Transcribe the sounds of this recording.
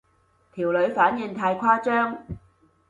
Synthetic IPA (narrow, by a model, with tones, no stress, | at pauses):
t̪ʰiː˨˩wlɵ˨˧ɥfaː˨˥njɪ˨˧ŋt̪ʰaː˧jkʰaː˥t͡ʃœː˥ŋ